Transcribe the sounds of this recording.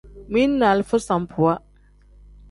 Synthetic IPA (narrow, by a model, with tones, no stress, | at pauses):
mi˦nːa˨lfə˦sã˨mpʰu˨a˦